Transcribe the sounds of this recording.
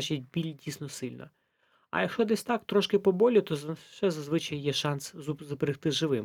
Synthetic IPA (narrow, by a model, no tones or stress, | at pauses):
t͡ʃit̚ʲbʲilʲdʲisʲnɔsɪlʲnɐ̰ | ɐ̰jɐkʃɔd̪ɛsʲt̪ɑkt̪ɾɔʃkɪpɔbɔlʲʊt̪ɔzʃɛzɐzʋɪt͡ʃɐjjɛʃɑnszʊbeɾɪxt̪ɪʒɪʋɪm